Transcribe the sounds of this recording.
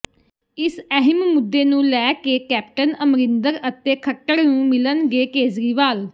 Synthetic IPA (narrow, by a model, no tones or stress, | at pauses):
ɪsɛɦɪmmʊd̪ːeːnũːlɛːkeːkɛːp̚ʈənəmɾɪnd̪əɾət̪eːkʰəʈːəɾnũːmɪlənɡeːkeːzɾiːʋaːl